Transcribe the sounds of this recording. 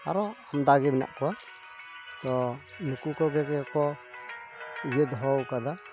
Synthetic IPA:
a̰ɾɔamd̪aɡibna̰ʔkua | t̪ɔ | nukukɔɡɛkɛkɔ | jed̪ɦɔwkad̪a

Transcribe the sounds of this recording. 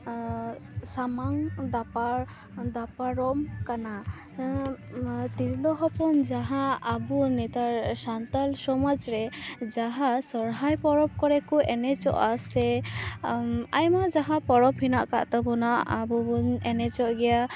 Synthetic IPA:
samaŋd̪apa | d̪apaɾɔmkana | t̪iɾlɔɦɔpɔnd͡ʒaɦãabunɛt̪aɾsant̪alsɔmad͡ʒɾɛd͡ʒaɦasɔɾɦajpɔɾɔp̚kɔɾɛkɔʔɛnɛt͡ʃɔ̰ʔasɛ | ajmad͡ʒaɦãpɔɾɔpɦinaʔkaʔt̪ɔbɔnaʔabubunɛnɛt͡ʃɔʔɡɛja

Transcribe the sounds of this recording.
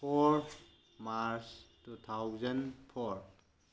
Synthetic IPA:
pʰɔɾ | maɾstut̪ʰawzənpʰɔɹ

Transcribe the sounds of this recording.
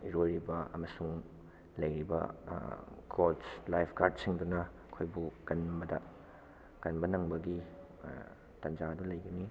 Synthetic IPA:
iɾojɾibɐɐmɐsuŋ | lɐjɾibɐ̰ | ɡolslajpʰɡaɾd̚siŋdunɐɐkʰojbuɡɐnbɐdɐ̰ | ɡ̥ɐnbɐnɐŋbɐɡi | tɐnd͡ʒadulɐjɡɐni

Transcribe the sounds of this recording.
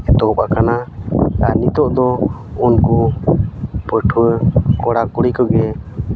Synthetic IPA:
ɛt̪ɔɔpakanaanit̪ɔʔd̪ɔ | unku | pəʈʰuwəkɔɽakuɽikɔɡɛ

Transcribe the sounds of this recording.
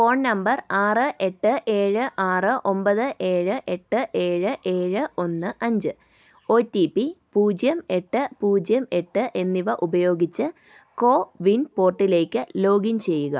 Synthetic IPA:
fo̞ːɳnɐmbɐraːrɨʔe̞ʈːɨʔe̞ːɻɨʔaːrɨʔo̞mbɐðɨʔe̞ːɻɨʔe̞ʈːɨʔe̞ːɻɨʔe̞ːɻɨʔo̞nːɨʔɐɲd͡ʑɨ | o̞ːtːipipuːd͡ʑjɐme̞ʈːɨpuːd͡ʑjɐme̞ʈːɨʔe̞nːiʋɐʔubɐjo̞ːɡit͡ɕːɨ | ko̞ːʋinpo̞ːrʈːile̞ːkʲːɨlo̞ːɡiɲt͡ɕe̞jːuɣɐ̰

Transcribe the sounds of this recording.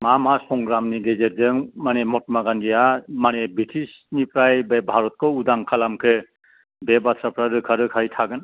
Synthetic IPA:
mamasɔŋɡɾamniɡezeɾdɯŋmanemɔt̚maɡandijamanebitʰis | nipʰɾajbebʱaɾɔt̚kʰɔudaŋkʰalamkʰɯ | bebatʰɾapʰɾaɾɯkʰaɾɯkʰajtʰaɡɯn

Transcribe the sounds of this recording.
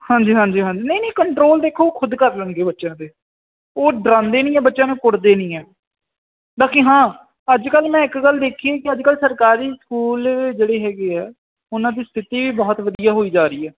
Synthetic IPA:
hãːɲd͡ʒiːɦãːɲd͡ʒiːɦãːd͡ʒiːnə̃inĩːkəɳʈɾoːld̪eːkʰːoːoːkʰʊd̪kəɾlənɡeːbətːʃãːd̪eː | oːɖɾãːnd̪eːnĩːɛːbətːʃãːnẽːkʊɽd̪eːnĩːɛː | d̪aːkʰĩːɦãː | əd͡ʒkəlmɛ̃ːɪkɡəld̪eːkʰieːkɪəd͡ʒkəlsəɾkaːɾiːskuːld͡ʒeːɽeːɦɛːɡeːɛː | ʊnãːd̪iːst̪ʰɪt̪iːʋiːbɔːt̪ʋəd̪ijaːɦoːiːd͡ʒaːɾiːɛː

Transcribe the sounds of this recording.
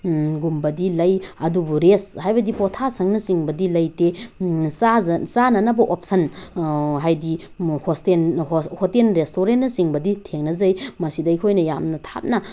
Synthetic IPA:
ɡumbɐdilɐjɐdubuɾeshajbɐdipotʰasɐŋnɐsiŋbɐdilɐjtesasanɐnɐbɐʔop̚sɐn | ɦajdi | hostenhotenɾestoɾentːɐsiŋbɐditʰeŋnɐzɐjmɐsidɐikʰojnɐja̰mnɐtʰa̰p̚nɐ

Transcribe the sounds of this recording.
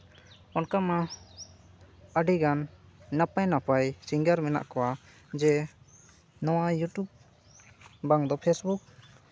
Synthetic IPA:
ɔnkama | əɖiɡannapajnapajsiŋɡaɾmɛna̰ʔkɔwa | d͡ʒɛ | nɔwajuʈjub̚ | baŋd̪ɔpʰɛsbuk̚

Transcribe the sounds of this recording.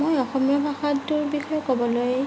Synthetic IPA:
mojɔxɔmjɔbʱaxatduɹbixɔjɔkobɔloje

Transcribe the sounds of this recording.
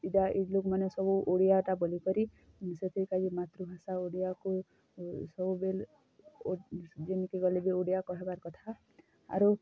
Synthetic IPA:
idaʔiɖlukmanesɔbuʔoɽijaʈabɔlikɔɾi | set̪ʰikad͡ʒimat̪ɾubʱasaoɽijaku | sɔbubel | d͡ʒenikiɡɔlibioɽijakɔɦebaɾkɔt̪ʰa | a̰ɾu

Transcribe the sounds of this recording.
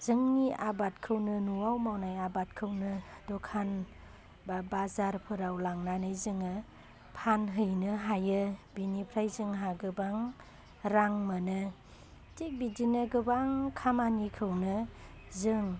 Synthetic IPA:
zɯŋniʔabat̚kʰɯwnɯnuwawmawnajabat̚kʰɯwnɯdɔkʰan | babazaɾpʰɯɾawlaŋnanɯjzɯŋɯ | pʰanɦɯjnɯɦajɯbinipʰɾajzɯŋɦaɡɯbaŋ | ɾaŋmɯnɯ | tik̚bidinɯɡɯbaŋkʰamanikʰɯwnɯ | zɯŋ

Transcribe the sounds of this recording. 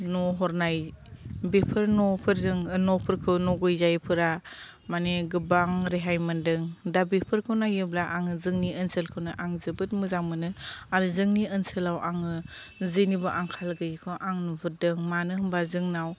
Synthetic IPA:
nɔɦɔɾnajbepʰɯɾnɔpʰɯɾzɯŋɯnɔpʰɯɾkʰɯwnɔɡɯjzajpʰɯɾa | maneɡɯbaŋɾeɦajmɯndɯŋdabepʰɯɾkʰɯwnajɯblaʔaŋɯzɯŋniənsəlkʰɯwnɯʔaŋzɯbɯt̚mɯzaŋmɯnɯaɾɯzɯŋniɯnsəlawʔaŋɯ | zɯnibɔʔaŋkʰalɡɯjikʰɔʔaŋnɔbʰɯɾdɯŋmanɯɦɯmbazɯŋnaw

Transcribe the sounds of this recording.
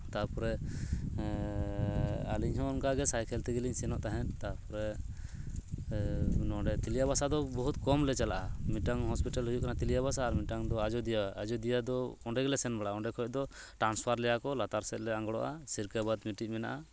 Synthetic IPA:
t̪apɔɾɛ | aliɲɦɔ̃ɔnkaɡɛsajkʰɛlt̪ɛɡiliɲsɛnɔʔt̪aɦɛnt̪apɔɾɛ | nɔɖɛt̪ilijabasad̪ɔbɔɦut̪̚kɔmlɛt͡ʃalaʔamiʈaŋhɔspiʈalɦujuʔkanat̪ilijaβasaːɾmiʈaŋd̪ɔad͡ʒɔd̪ijaad͡ʒɔd̪ijad̪ɔɔɳɖɛɡɛlɛsɛnbaɽaaɔ̃ɳɖɛkʰɔɔd̪ɔ | ʈɾanspʰaɾlɛjakɔlat̪aɾsɛt̪̚lɛaŋɡɔɽɔ̰ʔasiɾkabad̪miʈic̚mɛna̰ʔa

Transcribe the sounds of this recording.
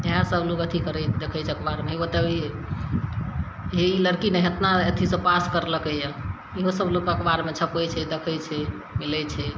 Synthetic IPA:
eɦasəblokət̪ʰikəɾɛd̪ekʰəjt͡ʃʰɛəkbaɾmeiot̪əbi | ɦeiləɾkinɛɦət̪naət̪ʰisəpaskəɾləkəja | iɦosəblokəkbaɾmet͡ʃʰəpət͡ʃʰɛd̪ekʰəjt͡ʃʰɛ | milɛt͡ʃʰɛ

